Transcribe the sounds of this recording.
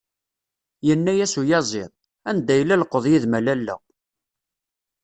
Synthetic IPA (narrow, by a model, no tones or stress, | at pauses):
jənːæjæsujɑzˤɪðˤ | ænd̪ːæjlæləqːəðˤjiðmælælːæ̰